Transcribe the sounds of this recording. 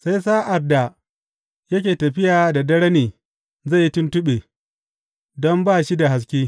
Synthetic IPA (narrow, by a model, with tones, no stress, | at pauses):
sa˦js̬aː˦ʔa˨dːa˨ | jɐ˦kʲeː˨tɐ˨ɸɪ˦jaː˨da˨dɐ˦ɽɐ˦niː˨ | zɐ˦˨ji˦tʊ˦ntʊ˦ɓeː˨ | dɔ˦mbaː˦˨ʃi˦da˨ɦa˨s̬kʲeː˦